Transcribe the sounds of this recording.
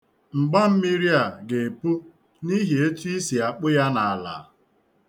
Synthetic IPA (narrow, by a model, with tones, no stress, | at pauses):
ŋ͡m̩˨ɡ͡ba˦m̩˦mi˦ɾja˨ɡe˨pu˦ | ni˦ɦi˨e˦tu˦i˦si˨a˨k͡pʊ˦ja˦na˨a˨la̰˨˦